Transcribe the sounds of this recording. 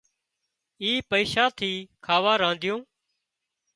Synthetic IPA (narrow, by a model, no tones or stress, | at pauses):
iːpəiːʃaːt̪ʰiːkʰaːʋaːɾãːnd̪ʱjõː